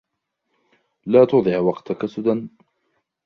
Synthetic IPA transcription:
laːt̪ʊd̪ˤɪʕwɑqt̪akasʊd̪an

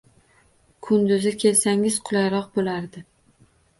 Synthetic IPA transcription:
kʰʊnd̪ʊzɪkʲʰe̞lsaŋɪz̥qʰʊlˠajɾɒq̚bolaɾd̪ɪ

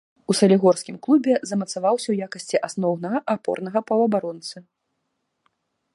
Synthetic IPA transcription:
usɐlʲiɣɔrskʲimklˠubʲɛzɐmɐt̪savawsʲɐwjakɐsʲt͡sʲiʔasnɔwnɐɣɐʔapɔ̰rnɐɣɐpɐwɐbaɾɔnt̪sɨ

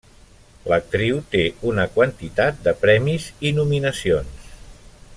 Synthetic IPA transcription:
lək̚t̪ɾiwt̪eunəkwənt̪it̪at̪̚d̪əpɾɛmizinuminəsions

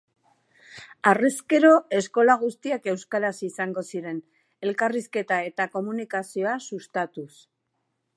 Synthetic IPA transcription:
areske̞ɾo̞e̞sko̞laɣ̞ust̪iake̞wskaɾasisaŋɡo̞siɾe̞n | e̞lkariske̞t̪ae̞t̪ako̞munikasio̞asust̪at̪us

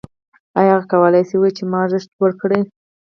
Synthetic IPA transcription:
ajɑkawəlajsiwit͡ʃemɑʒəʃt̪wəɾkɽe

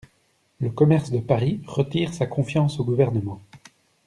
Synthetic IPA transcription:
ləkɔmɛʁsd̪əpaʁiʁət̪iːʁsakɔ̃fjɑ̃soɡuvɛʁnəmɑ̃

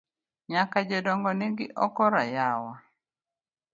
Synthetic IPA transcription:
ɲakad͡ʒedɔŋɡɔnɪɡɪʔɔkɔɾajawa

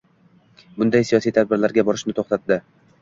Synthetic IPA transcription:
bʊnd̪ajsijɒsijt̪ʰad̪̚bɪɾlaɾɡʲabɒɾɪʃnɪt̪ʰoχt̪ʰat̪̚d̪ɪ

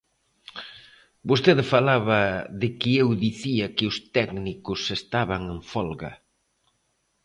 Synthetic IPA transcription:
bost̪eðfalaβɐðɪkɪewðiθiɐkɪʊst̪ɛknikʊsest̪aβaŋẽɱfɔlɣɐ̰

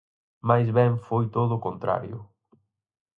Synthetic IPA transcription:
majzβɛŋfojt̪oðʊkont̪ɾa̰ɾjʊ̰

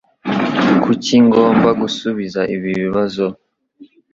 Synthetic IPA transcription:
kʰuciŋɡo̞ːmɡaɡusuβizaʔiβiβiβazo

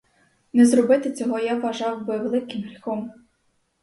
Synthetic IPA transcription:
nɛzrɔbɪt̪ɪt͡sʲɔɦɔjaʋːɐʒɑwbɪʋelˠɪkɪmɾʲixɔm

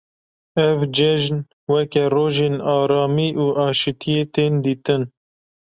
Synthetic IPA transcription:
ɛvd͡ʒɛʒn | wɛkɛroːʒeːnɑːɾɑːmiːʔuːʔɑːʃɨt̪ʰijeːt̪eːnd̪iːt̪ɨn

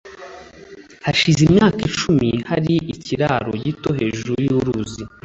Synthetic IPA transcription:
haʃizimɲaːkit͡ʃumihaɾiʔiciɾaɾo̞̰jito̞ɦe̞ːʒuɾujuɾuzi

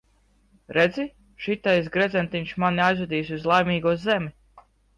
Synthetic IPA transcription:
ɾed̪zʲi | ʃit̪ajs̬ɡɾɛd̪zɛnt̪iɲt͡ʃʃmaniajzud̪iːsʲuzlˠajmiːɡuɔzemʲi

